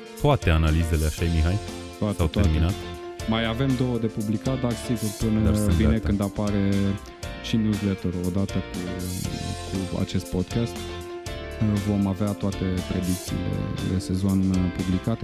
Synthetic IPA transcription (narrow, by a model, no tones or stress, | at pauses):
t̪oat̪e̞analizeleaʃajemiɦaj | t̪oat̪awt̪eɾminat̪ | majave̞md̪o̞wəd̪e̞publikat̪̚d̪aɾsiɡurpɨnəviekɨnd̪apaɾe̞ | ʃinjuzlet̪əɾo̞d̪at̪ək | kua̰t͡ʃe̞st̪̚po̞d̪kast̪ | vo̞maveat̪oat̪e̞pɾed̪ik̚t̪sḭːle̞̰lḛse̞zo̞npublikat̪e